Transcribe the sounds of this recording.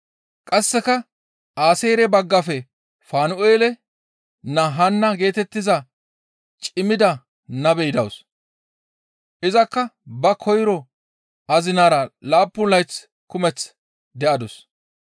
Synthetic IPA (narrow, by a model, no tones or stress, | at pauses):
kʼɐsːɛkɐ | aːse̞ːɾɛbɐɡːɐfɛ | faːnʊʔeːlɛ | nɐɦɐnːɐɡe̞ːt̪ɛt̪ːɪzɐ | t͡ʃʼɪmɪd̪ɐ | nɐbɛjɪd̪ɐws | ʔɪzɐkːɐbɐkʰɔjɾɔ | ɐzɪnaːɾɐlaːpːʊnlɐjt͡s | kʊmɛt͡s | d̪ɛʔɐd̪ɔs